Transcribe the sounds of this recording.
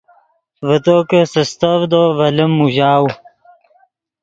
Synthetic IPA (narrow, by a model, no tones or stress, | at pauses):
vət̪oːkəsəst̪ɐvd̪ovɐləmːuʑaːw